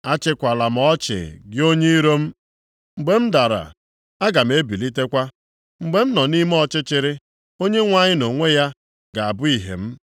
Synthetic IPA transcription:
a˦t͡ʃɪ˦kʷa˨la˨m̩˦ɔ˦t͡ʃɪ̰˨ɡɪ˦o˦ɲe˦i˦ɾo˦m̩˦ | ŋ͡m̩˨ɡ͡be˦m̩˦da˨ɾa̰˨ | a˦ɡa˨m̩˨˦e˦bi˨li˦te˦kʷa˦ | ŋ͡m̩˨ɡ͡be˨m̩˦nɔ˨ni˦m˦ɔ˦t͡ʃɪ˦t͡ʃɪ˨ɾɪ˦ | o˦ɲe˦ŋʷa˦ɲɪ˦no˨ŋʷe˦ja˦ | ɡa˨a˨bʊ˦i˨ɦḛ˨m̩˦

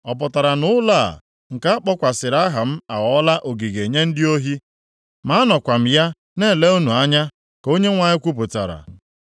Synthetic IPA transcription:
ɔ˨p̬ʊ˨ta˨ɾa˨nʊ˦la˦˨ | ŋ̩˨ka˦a˦k͡pɔ˦kʷa˨sɪ˨ɾa˦ɦa˨m̩˦a˨ɣɔ˦la˦ʔo˨ɡi˨ɡe˨ɲe˦n̩˦dɪ˦o˦ɦi˦ | ma˦nɔ˨kʷa˨m̩˨ja˦ | ne˦˨le˦u˦nu˨a˦ɲa˦ | ko˦ɲe˦ŋʷa˨ɲɪ˦kʷu˦p̬ʊ˨ta̰˨ɾa̰˨

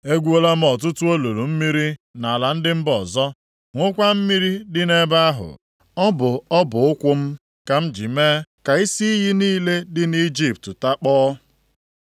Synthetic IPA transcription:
e˦ɡʷu˦o˦la˦m̩˦ɔ˨t̬ʊ˦tʊ˦o˦lo˨ɾu˨m̩˦mi˦ɾi˦na˨la˨n̩˦dɪ˦m̩˦bɔ˨zɔ˦ | ŋʷʊ˦kʷa˦m̩˦mi˦ɾi˦dɪ˦ne˦ba˦a˦ɦʊ̰˨ | ɔ˦bʊ˨ɔ˦bʊ˨ʊ˦kʷʊ˦m̩˦ | ka˨m̩˦d͡ʒi˨me˦ka˨i˦si˦i˦ɦi˦niː˦le˦dɪ˦ni˦d͡ʒi˦p̚tta˦k͡pɔː˦

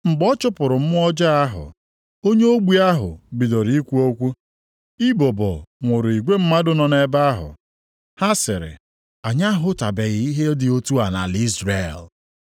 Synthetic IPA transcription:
ŋ͡m̩˨ɡ͡bɔ˦t͡ʃʊ˦pʊ˨ɾʊ˨m̩˦m˦ɔ˦d͡ʒa˦a˦ɦʊ̰˨ | o˦ɲe˦o˦ɡ͡bʷi˦a˦ɦʊ̰˨bi˨do˨ɾi˨i˦kʷu˦o˦kʷu˦ | i˦bo˨bɔ̰˨ŋʷʊ˨ɾʊ˨i˨ɡʷe˦m̩˦ma˦dʊ˦nɔ˨ne˨ba˦a˦ɦʊ̰˨ | ha˦sɪ˨ɾɪ̰˨ | a˨ɲa˦ɦʊ˦ta˨be˨ɣɪ˨i˦ɦe˦dɪ˨o˦tu˦a˨na̰˨li˦zɾe˨l

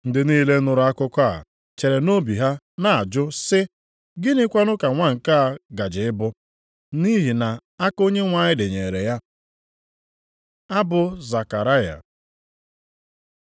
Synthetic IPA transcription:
n̩˦dɪ˨niː˦le˦nʊ˨ɾʊ˦a˦kʊ˦kʷa̰˦˨ | t͡ʃe˨ɾe˨no˦bi˨ɦa˦ | na˦˨a˨d͡ʒʊ˦sɪ˦ | ɡɪ˦nɪ˦kʷa˦nʊ˦ka˨ŋʷa˦ŋ̩˨ka˦a˦˨ɡa˨d͡ʒɪ˨ɪ˦bʊ˦ | ni˦ɦi˨na˨a˦ko˦ɲe˦ŋʷa˦ɲɪ˦dɪ˨ɲe˨ɾe˨ja˦ | a˦bʊ˨za˨ka˨ɾa˦ja̰˨

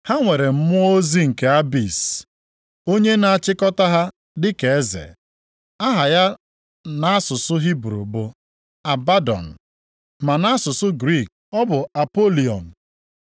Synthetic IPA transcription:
ha˦ŋʷe˨ɾe˨m̩˦mʊ˦o˦zi˦ŋ̩˨ke˨a˦bi˨s | o˦ɲe˦na˨a˨t͡ʃɪ˦kɔ˦ta˦ɦa˦ | dɪ˦ke˨e˦zḛ˨ | a˦ɦa˨ja˦ | na˨a˦sʊ˨sʊ˦ɦi˦bɾṵ˨bo˦ | a˨ba˦dɔ̰˨n̩˨ | ma˨na˦sʊ˨sʊ˦ɡɾi˦˨k̚ | ɔ˦bʊ˨a˨po˦li˨ɔ̰˨n̩˨

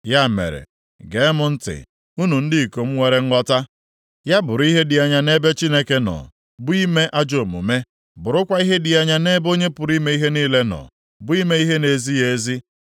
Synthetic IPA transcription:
ja˦˨mḛ˨ɾḛ˨ | ɡe˨˦mʊ˨n̩˦tɪ̰˨ | u˦nu˨n̩˦dɪ˦i˨ko˨m̩˦ŋʷe˨ɾe˦ŋ̩˦ɡɔ˦ta˦ | ja˦bʊ˨ɾʊ˨˦i˦ɦe˦dɪ˨a˨ɲa˨ne˦be˦t͡ʃi˦ne˦ke˦nɔ̰˨ | bʊ˦i˦me˦ʔa˦d͡ʒo˨mṵ˨me˦ | bʊ˨ɾʊ˦kʷa˦i˦ɦe˦dɪ˨a˨ɲa˦ne˦bo˦ɲe˦pʊ˨ɾi˦me˦i˦ɦe˦niː˦le˦nɔ̰˨ | bʊ˦i˦me˦i˦ɦe˦ne˨zi˦je˨˦zi˦

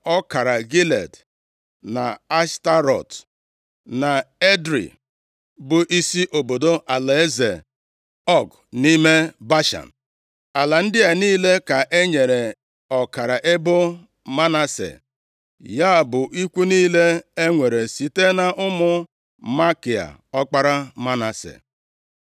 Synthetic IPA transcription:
ɔ˦ka˨ɾa˨ɡi˦lḛ˨d | na̰˨a˦sta˦ɾɔ̰˨t | na˨e˦dɾḭ˨ | bʊ˨ʔi˦si˦ʔo˨bo˨do˦ʔa˨le˨e˦zḛ˨ | ɔ˦˨ɡ | ni˦me˦ba˦ʃa̰˨n̩˨ | a˨la˨n̩˦dɪ˦a˨niː˦le˦ka˨ʔe˦ɲe˨ɾe˨ | ɔ˨ka˨ɾa˨ʔe˦bo˦ | ma˦na˦sḛ˨ | ja˦˨bʊ˨ʔi˦kʷu˦niː˦le˦e˦ŋʷe˨ɾe˨si˨te˦na˨ʔʊ˦mʊ˦ | ma˦ki˨a̰˨ | ɔ˦k͡pa˦ɾa˦ma˦na˨sḛ˨

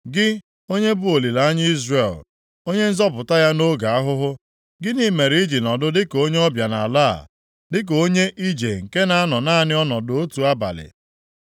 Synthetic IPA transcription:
ɡɪ˦ | o˦ɲe˦bʊ˦o˨li˨la˨a˦ɲ˦i˦zre˨l | o˦ɲe˦n̩˦zɔ˦pʊ˨ta˦ja˦no˦ɡa˨a˦ɦʊ˦ɦʊ˦ | ɡɪ˦ni˦me˨ɾi˨˦i˦d͡ʒi˨nɔ˨dʊ˦dɪ˦ko˦ɲe˦ɔ˦bja˨na̰˨la̰˦˨ | dɪ˦k̬o˦ɲe˦ʔi˦d͡ʒe˨ŋ̩˨ke˦na˨˦a˦nɔ˨na˦˨nɪ˦ɔ˦nɔ˨do˨o˦tu˨a˦ba̰˨lɪ̰˨

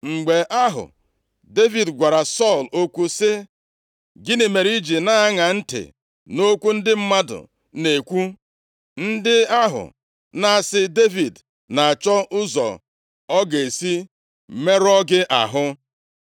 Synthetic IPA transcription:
ŋ͡m̩˨ɡ͡be˨ʔa˦ɦʊ̰˨ | de˦vi˨dɡʷa˨ɾa˨sɔ˦˨lo˦kʷu˨sɪ˦ | ɡɪ˦ne˨me˨ɾi˦d͡ʒi˨na˦a˦ŋa˨n̩˦tɪ̰˨ | no˦kʷu˦n̩˦dɪ˦m̩˦ma˦dʊ̰˨ | ne˨kʷu˦ | n̩˦dɪ˦a˦ɦʊ̰˨ | na˦a˨sɪ˦de˦vi˨d | na˨a˨t͡ʃɔ˦ʔʊ˦zɔ̰˨ | ɔ˦ɡe˨si˦˨ | me˦ɾɔ˦ɡɪ˦ʔa̰˨ɦʊ˦

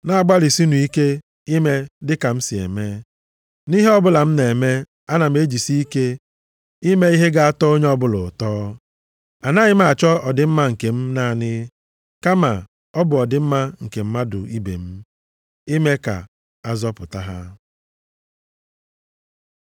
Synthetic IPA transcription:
na˨a˨ɡ͡ba˦li˨si˦nu˨i˦ke˦ | i˦me˦dɪ˦ka˨m̩˦si˨ḛ˨me˦ | ni˦ɦe˦ɔ˦bʊ˦la˨m̩˦ne˨me˦ | a˦na˨m̩˨e˦d͡ʒi˨si˦i˦ke˦ | i˦me˦i˦ɦe˦ɡa˦a˦tɔ˦o˦ɲe˦ɔ˦bʊ˦lʊ˨tɔː˦ | a˨na˦ɲɪ˦m̩˦a˨t͡ʃɔ˦ɔ˨dɪ˦m̩˦ma˦ŋ̩˨ke˨m̩˦na˦˨nɪ˦ | ka˦ma˨ | ɔ˦bʊ˨ɔ˨dɪ˦m̩˦ma˦ŋ̩˨ke˨m̩˦ma˦dʊ̰˨i˦bḛ˨m̩˦ | i˦me˦ka̰˨ | a˦zɔ˦pʊ˨ta˦ɦa̰˦

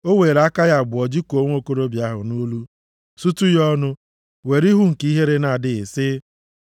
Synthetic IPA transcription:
o˦weː˨ɾa˦ka˦ja˦˨bʊ˨ɔ˨d͡ʒi˦ko˨˦ŋʷ˦o˦ko˦ɾo˦bja˦ɦʊ̰˨nu˦lu˦ | su˦tu˦jɔ˦nʊ˦ | we˨ɾi˦ɦu˦ŋ̩˨ki˦ɦe˦ɾe˦na˨dɪ˨ɪ˨sɪ˦

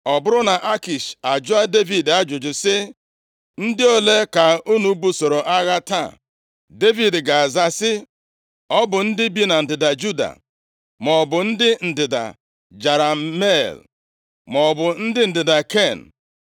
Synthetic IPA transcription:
ɔ˨bʊ˦ɾʊ˦na˨ʔa˦ki˨ʃa˨d͡ʒʊ˦a˦de˦vi˨da˦d͡ʒʊ˨d͡ʒʊ˨sɪ˦ | n̩˦dɪ˦o˦le˦ka˨u˦nu˦bu˦so˨ɾo˨ʔa˦ɣa˦ta̰˦˨ | de˦vi˨dɡa˨za˦sɪ˦ | ɔ˦bʊ˨n̩˦dɪ˦bi˦na˨n̩˨dɪ˨da˨d͡ʒu˦da̰˨ | mɔ˨bʊ˨n̩˦dɪ˦n̩˨dɪ˨da̰˨ | d͡ʒa˨ɾa˨me˦˨l | mɔ˨bʊ˨n̩˦dɪ˦n̩˨dɪ˨da˨ke˦˨n̩˨

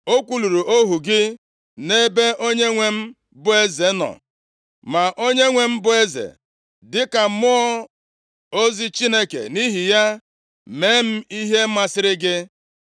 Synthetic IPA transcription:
o˦kʷu˨lu˨ɾu˨ʔo˦ɦu˨ɡɪ˦ | ne˦be˦ʔo˦ɲe˦ŋʷe˦m̩˦ | bʊ˦e˦ze˨˦nɔ̰˨ | ma˨ʔo˦ɲe˦ŋʷe˨m̩˦bʊ˨e˦zḛ˨ | dɪ˦ka˨mʊ˦ɔ˦ | o˦zi˦t͡ʃi˦ne˦kḛ˨ni˦ɦi˨ja˦ | me˨˦m̩˦i˦ɦe˦ma˨sɪ˦ɾɪ˦ɡɪ˦

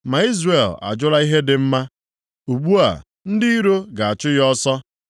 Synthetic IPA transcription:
ma˨i˦zre˨la̰˨d͡ʒʊ˦la˦i˦ɦe˦dɪ˨m̩˦ma˦ | u˨ɡ͡bu˦a̰˨ | n̩˦di˦i˦ɾo˦ɡa˨a˨t͡ʃʊ˦jɔ˦sɔ˦

